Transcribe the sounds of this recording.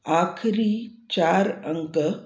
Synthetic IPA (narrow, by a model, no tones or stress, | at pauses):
akʰɾiːt͡ɕaɾəŋkə